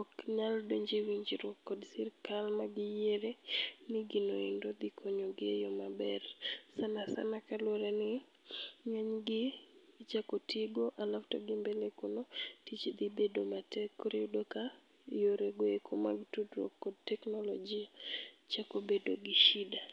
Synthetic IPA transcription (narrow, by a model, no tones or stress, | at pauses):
ɔkɲaldoɲd͡ʒiwiɲd͡ʒiɾwɔkːɔdsɪrkalmaɡɪjeɾenɪɡɪnoɪndod̪ikʰoɲoɡɪejɔmabɛrsanasa̰nakalwoɾenɪ | ɲaɲɡɪt͡ʃakotiɡoʔalafto̰ɡɪmbelekunotit͡ʃd̪ibedomatɛkɾɪudoka | joɾeɡoekʰomaɡitudrwɔ̰kːɔd̚tɛknɔlɔd͡ʒiat͡ʃakobedoɡɪʃida